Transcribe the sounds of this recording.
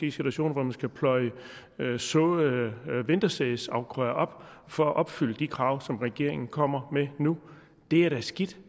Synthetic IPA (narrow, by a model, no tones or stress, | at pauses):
ḭsɡ̥edʁæɕo̝̰ːnɐʋɒmænsɡ̥æpʰlɒ̽ɪə | sɔ | ʋend̥ɐsɛðsɑ̈ʊɡ̥ʰʁœːɐʔɒ̽b̥fɒ̽æʔɒ̽b̥fyl̰əd̥ikʰʁɑ̈ʊsɒ̽mʁɛɡ̥e̝ɐe̝ŋn̩kʰɒ̽m̰ɐmenu | d̥e̝æɐɾ̥æsɡ̥id̥